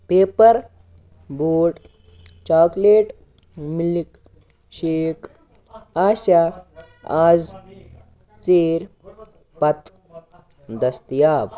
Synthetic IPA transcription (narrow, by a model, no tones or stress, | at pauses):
peːpəɾ | boːʈ | t͡ʃaːkleːʈ | mlik | ɕeːk | aːɕa | aːd͡z | t͡seːɾ | pɐt̪ | d̪ɐst̪jaːb